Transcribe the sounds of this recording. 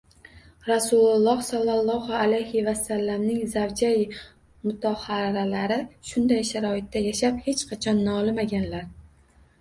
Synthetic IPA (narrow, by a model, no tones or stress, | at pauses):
ɾasʊlˠʊlˠːɒhsɒlˠːalˠːɒhʊalajhɪvasalːamnɪŋzawd͡ʒaj | mʊt̪ʰɒhaɾalaɾɪʃʊnd̪ajʃaɾɒɪt̪ːajaʃap̚he̞t͡ʃqʰɑt͡ʃʰɒnːɒlɪmaɡʲanlaɾ